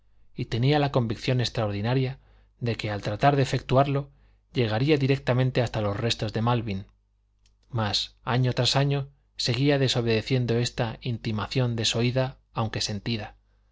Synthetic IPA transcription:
it̪e̞nialako̞mbikθjo̞ne̞st̪ɾaoɾð̞inaɾja | ðe̞ke̞alt̪ɾat̪aɾðeːfe̞k̚t̪uaɾlo̞ | ʎe̞ɣ̞aɾiaðiɾe̞k̚t̪amẽnt̪e̞ast̪alo̞sre̞st̪o̞zðe̞malβin | masaɲot̪ɾasaɲo̞ | se̞ɣ̞iaðe̞so̞β̞eðe̞θje̞nd̪o̞e̞st̪aint̪imaθjo̞nd̪e̞so̞iðaː | wŋke̞se̞nt̪iða

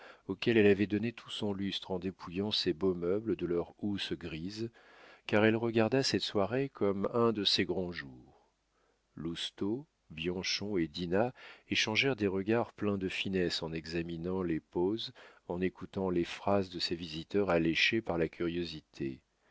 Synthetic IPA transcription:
okʲɛlɛlavɛd̪ɔnet̪ʰu̥sɔ̃lyst̪χɑ̃d̪epʰujɑ̃sebomœbləd̪əlœʁusɡʁiz | kaʁɛlʁəɡaʁd̪asɛt̪swaʁekʰɔmɛ̃d̪əseɡʁɑ̃ʒuːʁ | lust̪o | bjɑ̃ʃɔ̃ed̪inaeʃɑ̃ʒɛʁd̪eʁəɡaʁplɛ̃d̪əfinɛsɑ̃nɛɡzaminɑ̃lepozɑ̃nekut̪ɑ̃lefχazd̪əsevizit̪œʁaleʃepaʁlakʲyʁjozit̪ʰḛ

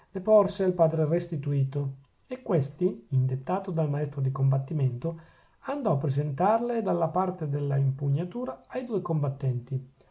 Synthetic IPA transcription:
lepɔrsealpaːd̪ɾerest̪it̪uiːt̪o | ekːwest̪iind̪et̪ːaːt̪od̪almaɛst̪ɾod̪ikombat̪ːiment̪o | and̪ɔapːɾezent̪arled̪alːapart̪ed̪elːaimpuɲːat̪uːɾaːjd̪uːekombat̪ːɛnt̪i

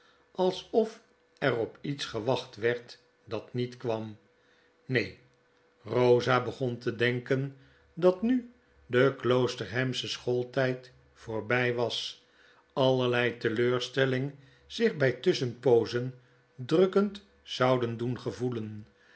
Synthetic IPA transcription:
ʔɑlˠsɔf | ɛrɔpitsχəʋɑχtʋɛɹt | dɑtnitkʋɑm | nej | rowzabəχɔntədɛŋkən | dɑtny | dəklowstəɹɦɛmsəsχolˠtɛjt | foːɹbɛjʋɑs | ɑlˠəɹlɛjtəløːɹstɛlɪŋ | z̥ɪχbɛjtʏsənpowzən | drɵkənt | sɑwdəndunχəvulən

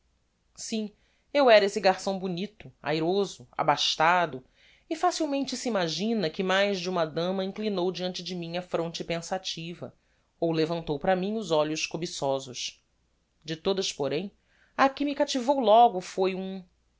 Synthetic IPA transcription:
sĩ | ewɛɾesɪɡaɾsɐ̃w̃bunit̪ʊa̰jɾozʊa̰baʃt̪ad̪ʊ | ɪfasiwmẽnt͡ʃɪsiimaʒĩnɐkɪmajzd͡ʒɪũmɐd̪ɐ̃mɐĩŋklinowd͡ʒiɐ̃nt͡ʃɪd͡ʒɪmĩɲɐfɾõnt͡ʃɪpẽsat͡ʃivɐ̰ | owlevɐ̃nt̪owpɾɐmĩɲʊzɔʎʊʃkobisɔzʊʃ | d͡ʒɪt̪od̪ɐspoɾẽj̃ | ɐkɪmɪkat͡ʃivowlɔɡʊfojũ

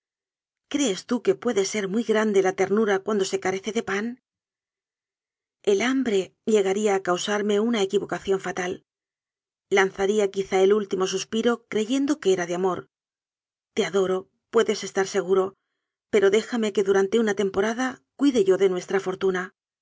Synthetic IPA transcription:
kɾe̞ːst̪uke̞pwe̞ðe̞se̞ɾmujɣɾand̪e̞lat̪e̞ɾnuɾakwand̪o̞se̞kaɾe̞θe̞ðe̞pan | e̞lambɾe̞ʎe̞ɣaɾiaːkawsaɾme̞unae̞kiβo̞kaθjo̞ɱfat̪al | anθaɾiakiθae̞lult̪imo̞suspiɾo̞kɾe̞ʝe̞nd̪o̞ke̞eɾaðeamo̞ɾ | t̪e̞aðo̞ɾo̞ | pwe̞ðe̞se̞st̪aɾse̞ɣ̞uɾo̞ | pe̞ɾo̞ðe̞xame̞ke̞ðuɾant̪e̞unat̪e̞mpo̞ɾaðakwiðe̞ʝo̞ðe̞nwe̞st̪ɾafo̞ɾt̪una

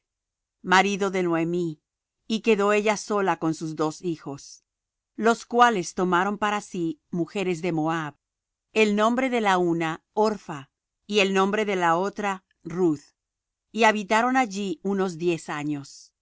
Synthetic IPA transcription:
maɾiðo̞ðe̞nwoemiː | ke̞ðo̞e̞ʝaso̞lako̞nsuzðo̞sixo̞s | lo̞skwale̞st̪o̞maɾo̞mpaɾasimuxe̞ɾe̞zðe̞mo̞aβ | elnõ̞mbɾe̞ðe̞launa | oɾfa | ie̞lnõ̞mbɾe̞ðe̞lao̞t̪ɾa | ruð | iaβit̪aɾo̞naʝiuno̞zðje̞saɲo̞s

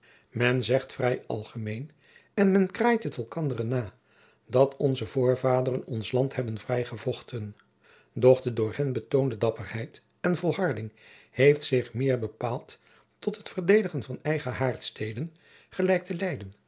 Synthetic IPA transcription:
mɛnzɛχtfrɛjɑ̰lˠχəmejn | ɛnmɛnkraːjtɦətɛlˠkɑndərənaː | dɑtʰɔnzəvʊːɹvaːdərənɔnslɑnthɛbənvrɛjχəvɔχtən | dɔχdədʊːɹhɛnbətowndədɑpərhɛjt | ɛnvɔlˠɦɑɹdɪŋ | hejftsɪχmɪːɹbəpaːlˠtː | ɔtɦətfəɹdejdəχənvɑnɛjχəɦaːɹtstejdən | χəlɛjk̚təlɛjdən

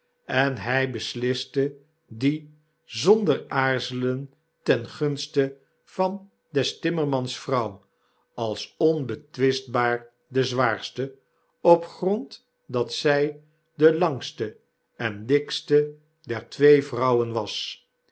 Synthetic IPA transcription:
ɛnɦɛjbəslɪstə | di | zɔndəɹaːɹzələn | tɛnχɵnstə | v̥ɑn | dɛstɪməɹmɑnsfrʌw | ɑlˠsɔnbətʋɪsd̚baːɹ | dəzʋaːɹstə | ɔpχrɔnt | dɑtsɛj | dəlɑŋstə | ɛndɪkstə | dɛɹtʋejvrʌwənʋɑs

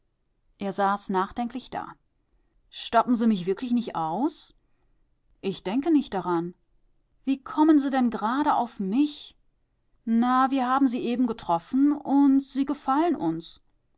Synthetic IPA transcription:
ʔeːɐzaːsnaːχd̥ɛŋkʰlɪçd̥a̰ː | ʃtɔpm̩ziːmɪçv̥ɪɐklɪçnɪçtʔaʊs | ʔɪçd̥ɛŋkənɪçt̚d̥aʁan | v̥iːkʰɔmənziːdɛnɡəʁaːɾəʔa̰ʊfmɪç | naviːɐhaːbm̩ziːʔeːbm̩ɡətʁ̥ɔfn̩ʊntz̥iːɡəfalənʔʊns

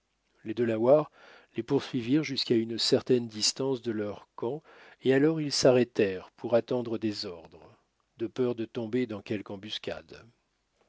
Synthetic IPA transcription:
led̪əlawaʁ | lepuʁsɥiviʁʒyskaynsɛʁt̪ɛnd̪ist̪ɑ̃sd̪əlœʁkɑ̃ | ealɔʁilsaʁɛt̪ɛʁpʰuʁat̪ɑ̃d̪ʁəd̪ezɔʁd̪ʁə | d̪əpœʁd̪ət̪ɔ̃bed̪ɑ̃kʲɛlkɑ̃byskʲa̰d̪

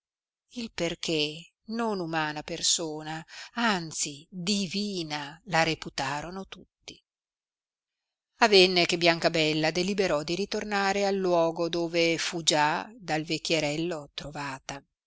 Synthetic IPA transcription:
ilperkʰe | nonumaːnapersoːnaant̪sid̪iviːnalaɾeput̪aːɾonot̪ut̪ːi | avenːekebjaŋkabɛlːad̪elibeɾɔd̪iɾit̪ornaːɾealːwɔːɡod̪oːvefud͡ʒad̪alvekʲːjeɾɛlːot̪ɾovaːt̪a

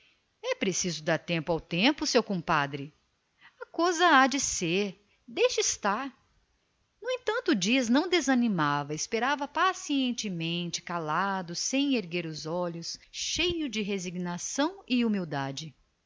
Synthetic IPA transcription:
ɛpɾesizʊd̪aɾt̪ẽmpʊawt̪ẽpʊsewkõpad̪ɾɪ | ɐkojzɐad͡ʒɪseɾ | d̪ejʃɪist̪aɾ | nʊẽt̪ɐ̃nt̪ʊːd͡ʒiɐznɐ̃w̃d̪ezɐnimavɐespeɾavɐpasiẽnt͡ʃɪmẽnt͡ʃɪ̥kalad̪ʊsẽj̃eɾɡeɾʊzɔʎʊsʃejʊd͡ʒɪɦeziɡnasɐ̃w̃ɪumiwd̪ad͡ʒɪ

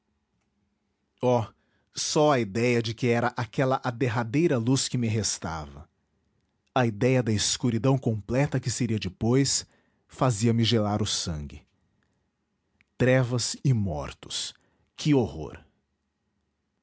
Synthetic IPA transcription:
ɔ | sɔɐid̪ɛjɐd͡ʒɪkɪɛɾɐʔakɛlɐʔad̪eɦad̪ejɾɐluskɪmɪɦest̪a̰vɐ | ɐid̪ɛjɐd̪ɐɪskuɾid̪ɐ̃w̃kõmplɛt̪ɐkɪseɾiɐd͡ʒɪpojs | faziɐmɪʒelaɾʊsɐ̃ŋɡɪ | t̪ɾɛvɐzɪmɔ̰ɾt̪ʊ̥s | kʰɪoho̰ɾ

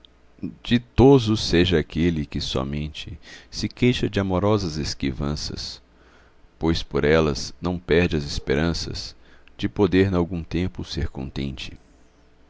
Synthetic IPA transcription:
d͡ʒɪt̪ozʊseʒɐakelɪkɪsɔ̰mẽnt͡ʃɪsɪkejʃɐd͡ʒɪamoɾɔzɐzeskivɐ̃sɐ̰s | pojspoɾɛlɐ̰znɐ̃w̃pɛɾd͡ʒɪɐzespeɾɐ̃sɐ̰z̥d͡ʒɪpod̪eɾnawɡũt̪ẽmpʊseɾkõ̰nt̪ẽnt͡ʃɪ̥

